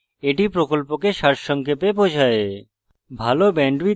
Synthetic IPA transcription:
eʈipɾokolpokeʃaɾʃɔŋkepepod͡ʒʱae | bʱalobɛɳɖʋi

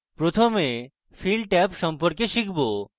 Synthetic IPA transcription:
pɾot̪ʰome | filɖʈɛpʃɔmpoɾkeʃikʰbo

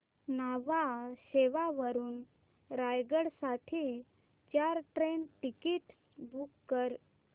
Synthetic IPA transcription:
naʋaɕeʋaʋəɾuːn | ɾajɡəɽsaʈʰiː | t͡ɕaɾʈɾenʈikiʈ | bʱukːəɾ

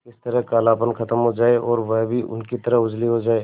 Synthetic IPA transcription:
kɪst̪əɾəɦkaːlaːpənkɐt̪əmɦod͡ʒaːeʔɔːɾʋɛɦbʱiʔʊ̰nkit̪əɾəɦʊd͡ʒliɦod͡ʒaːeː

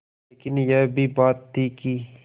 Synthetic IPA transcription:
leːkɪnjeːbʱibaːt̪ːiːki

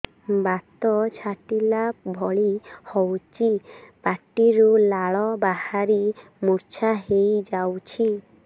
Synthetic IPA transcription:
bat̪ɔt͡ʃʰaʈilabʱɔɭihɔwt͡ʃʰipaʈiɾulaɭɔbahaɾi | muɾt͡ʃʰaɦejd͡ʒawt͡ʃʰi

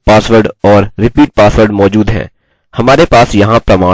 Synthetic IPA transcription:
paːsʋəɾɖɔːɾːɪpiːʈ̚paːsʋəɾɖmɔːd͡ʒuːd̪ɦɛ̰̃ː | hɐmaːɾepaːsjɐɦãpɾɐmaː

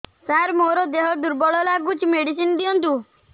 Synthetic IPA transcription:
saɾmoɾɔd̪eɦɔd̪uɾbɔɭɔlaɡut͡ʃmeɽisinɔd̪iɔnt̪u

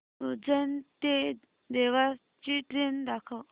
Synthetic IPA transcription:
ud͡zənt̪e | d̪eʋa | t͡ɕiʈɾend̪akʰəw

